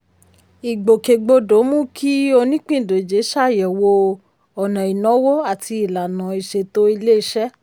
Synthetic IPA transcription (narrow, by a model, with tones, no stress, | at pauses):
i˨ɡ͡bo˨ke˨ɡ͡bo˧do˨˦mũ˦kʰi˦o˧nĩ˦k͡pĩ˦˨do˨d͡ʒe˨˦ʃa˦˨jɛ˨wo˧ | ɔ˨nã˨i˨nɔ̃˨˦wo˦a˦˨ti˧i˨la˨nã˨˦i˨ʃe˧to˦i˧le˦i˦ʃɛ˦